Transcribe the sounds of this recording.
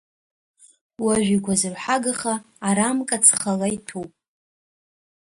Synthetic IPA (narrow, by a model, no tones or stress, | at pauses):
waʒᶣʷikʷʰazɨrħaɡaχaː | ɾamkʼat͡sʰχalajtʰupʼ